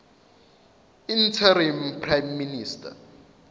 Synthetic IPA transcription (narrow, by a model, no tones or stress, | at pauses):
in̩tʰaɾimpʰrajmːinistʰʼa̰